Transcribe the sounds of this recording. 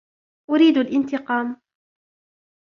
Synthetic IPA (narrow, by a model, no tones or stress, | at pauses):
ʔʊɾiːd̪alʔɪnt̪ɪqɑːm